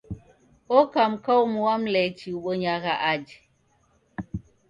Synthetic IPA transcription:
okamkawmuwamlɛt͡ʃiwɓoɲaɣaʔad͡ʒ

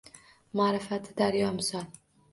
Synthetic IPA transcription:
maːɾɪfat̪ʰɪd̪aɾjɒmɪsɒl

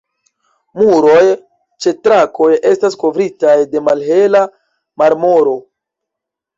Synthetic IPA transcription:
muɾo̞j | t͡ʃe̞tɾako̞je̞stasko̞vɾitajde̞malɦe̞la | maɾmo̞ɾo̞

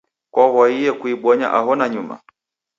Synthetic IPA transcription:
kwawaijɛkuiɓwɔɲa̰ʔaɦɔnaɲuma̰

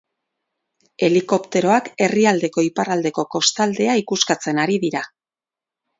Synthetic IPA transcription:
e̞liko̞pt̪e̞ɾo̞ake̞riald̪e̞ko̞iparald̪e̞ko̞ko̞st̪ald̪e̞aikuskat͡se̞naɾiðiɾa

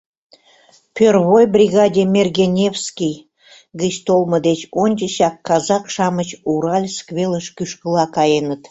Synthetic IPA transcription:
pʲørβojbrʲiɣɑdʲemʲerɣʲenʲefskʲij | ɣət͡ɕt̪olˠmə̆d̪et͡ɕonʲt͡ɕəɕɑkːɑzɑkʃɑmət͡ɕuɾɑlʲskβʲeləʃkyʃkəlɑkɑjenət̪

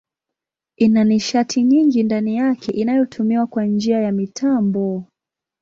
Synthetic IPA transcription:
inaniʃatʰiɲiŋɡindanijakʰɛʔinajɔtʰumiwakwand͡ʒiajamitʰambɔ

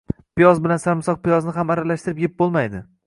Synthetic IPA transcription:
pɪjɒzbɪlansaɾmɪsɒq̚pɪjɒznɪɦamaɾalaʃt̪ɪɾɪp̚ɡʲep̚bolˠmajd̪ɪ

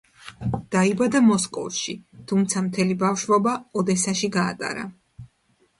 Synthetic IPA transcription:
d̪̥aibad̪amɔskʼɔ̰vˠʃit̪ʰumt̪sʰamt̪ʰɛlibafʃvɔbaɔd̪ɛsaʃiɡaːt̪ʼa̰ɾa̰

